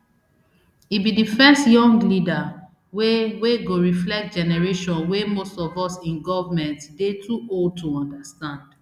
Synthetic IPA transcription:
ibidifɛstjɔ̃ŋɡlida | weweɡoɹiflɛk̚t̚d͡ʒɛnɛɹeʃɔ̃nwemostɔvɔsĩnɡɔvamɛ̃ntdetʰuʔold̚tʰuɔ̃ndastãnd̥

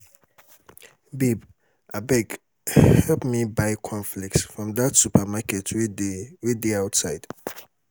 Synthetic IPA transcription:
bib | abɛɡ | hɛlpmibaɪkʰɔ̃nflik̚tsfɹɔ̃md̪atsupʰamakʰɛtʰwwɪddiaʊtsaɪd̥

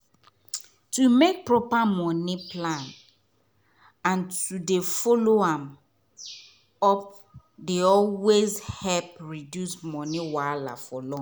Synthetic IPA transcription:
tumek̚pɹɔpamɔ̃nĩpʰlãn | ãntudefɔloãm | ɔp̚ | deɔlwezhɛlp̚ɹidjusmɔnĩwala̰fɔlɔ̃

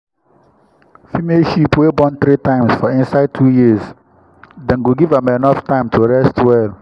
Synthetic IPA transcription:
fimeʃipwebɔ̃nt̪ɾitãɪ̃msfɔĩnsaɪd̚tʰujis | dɛ̃nɡuɡivamɛnɔftãɪ̃mtʰuɹɛstʰwɛl

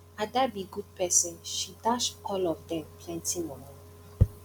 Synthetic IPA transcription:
ad̪abiɡud̚pʰɛsə̃nʃidaʃɔlɔvdɛ̃mpʰlɛ̃ntimɔn

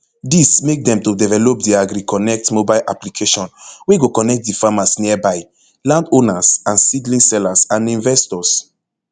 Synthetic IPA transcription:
dismek̚dɛ̃mtodɛvɛlɔp̚diaɡɾikɔnɛk̚tmobalʔa̰plikʰeʃɔ̃nweɡokɔnɛk̚t̚difamasniɛbaɪ | lãndõnasãnsidlĩsɛlasãnĩnvɛstɔs

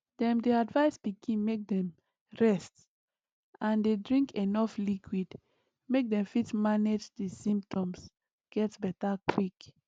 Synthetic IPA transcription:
d̥ɛ̃mdeadvaɪsbikʰĩnmek̚dɛ̃m | ɹɛst | ãndedɹĩŋkʰenɔflikʰwid | mek̚dɛ̃mfitmaned͡ʒdisĩmp̚tʰɔ̃ms | ɡ̥ɛtbɛtakʰwik

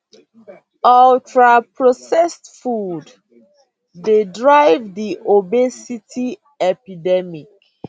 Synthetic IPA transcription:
ɔltɹapɹosɛstfud | dedɹaɪvdiʔobesitʰi | ɛpidɛmik

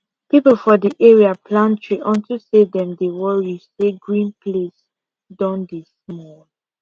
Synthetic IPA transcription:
pipəlfɔdiʔeɹiapʰlãntʰɹiʔɔ̃ntusedɛ̃mdewɔɹjiseɡɹĩnpʰles | dɔ̃ndesmɔl

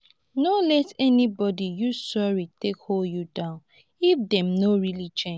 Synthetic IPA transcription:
nolɛtɛnibɔdijusɔɹitekholdjudãʊ̃n | ifdɛ̃mnoɹilit͡ʃẽd͡ʒ

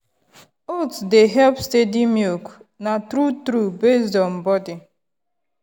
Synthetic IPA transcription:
otdeɦɛlpstedimilknatɾutɾubesdɔ̃nbɔdi

